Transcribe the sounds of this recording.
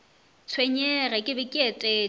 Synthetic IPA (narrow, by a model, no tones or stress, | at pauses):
t͡sʰweɲɛrɛkʼɪbɪkʼɛtʼɛ